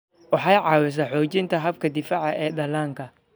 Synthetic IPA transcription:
wɑħɑjʕɑːwɪs̬ɐħɔːt͡ʃɪnt̪ʰɐɦɐb̚kʰɐd̪ɪfaːʕɑʔɛːdɐlaːŋkʰɐ

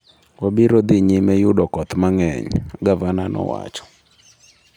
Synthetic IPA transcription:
wabiɾɔd̪ɪɲɪmɛjʊdɔkɔt̪maŋɛɲɡavananɔ̰wa̰t͡ʃɔ̥

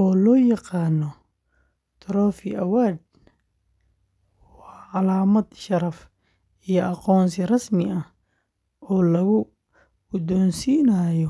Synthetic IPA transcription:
ʔɔːlɔːjɑqɑːnːɔ | t̪ʰɐɾɔːfɪʔɐwaːd̪̚ | wɑːʕɑlaːmɐd̪ʃɐɾɐf | ijɔʔɑqɔːnsɪrɐsmɪʔɐh | ɔːlɐɣʊ | ʊd̪ɔːnsiːnaːjɔ

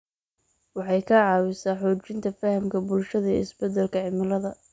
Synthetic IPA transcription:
wɑħɑjkʰɐʕɑːwɪsaːħɔːt͡ʃɪnt̪ʰɐfɐhɐmkʰɐbʊlʃɐðɐɪsbɛd̪ɛlkʰɐʕɪmɐlɐðɐ

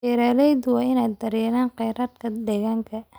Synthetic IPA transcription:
ɛɾaːlɛjd̪ʊwɑːɪnaːjd̪ɐɾɛːnaːnqɛjɾaːd̪kʰɐd̪ɛːɣaːŋkʰɐ

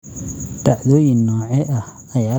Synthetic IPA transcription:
d̪̥aʕdɔːjɪnːɔːʕɛʔɐh | ɐjaː

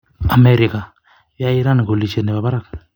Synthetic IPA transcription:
amɛɾika | jaiɾanɡolit͡ʃenɛbabaɾak̚

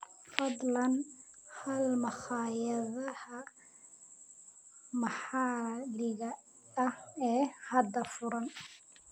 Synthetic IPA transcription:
fɐd̪lɐnhɐlmɐχɑːjɐðɐhɐ | mɑħɑːlɪɣɐ | ɐhɛːhɐd̪ɐfʊɾɐn

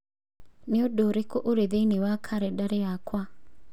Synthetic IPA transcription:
neodoɾekoʔoɾeðenewakʰaɾɛdaɾeakwa

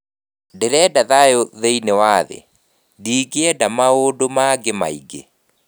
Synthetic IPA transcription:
deɾɛːdaðajoðeinewaːðḛ | diːɡeɛdamaodomaɡema̰iɡe

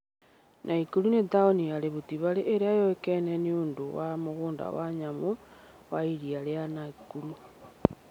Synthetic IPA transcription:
nʔaikuɾunetaoniaɾeβutiβaleʔeɾeajoekeneniondo̰wamoɣuːnda̰waɲamo | waiɾialeanaikuɾu

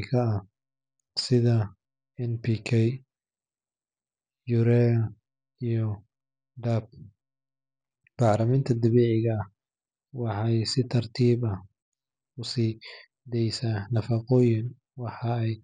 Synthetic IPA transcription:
kʰɐɐ | sɪðɐ | ɛnpʰikʰɛj | jʊɾɛ | ijɔ | d̪ɐb̚ | b̥ɑʕlɐmɪnt̪ʰɐd̪ɐβɛːʕɪɣɐɐh | wɑħɑjsɪt̪ʰɐrt̪ʰiːβɐ | ʊsiː | d̪ɛjsaːnɐfɑqɔːjɪn | wɑħɑɛj

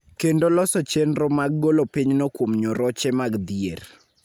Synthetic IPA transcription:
kendolɔsɔt͡ʃenɾɔmaɡːolopiɲnɔkwomɲoɾɔt͡ʃɛmaɡd̪ier

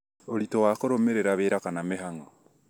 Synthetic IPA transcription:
oɾitowakoɾomeɾeɾaβeːɾakanameɦaŋoo

